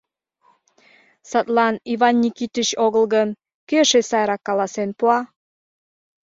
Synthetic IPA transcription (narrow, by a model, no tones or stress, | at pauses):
sɑt̪lɑnivɑnːʲikit̪ət͡ɕoɣə̆lɣən | køəʃesɑjɾɑkːɑlɑsenpuɑ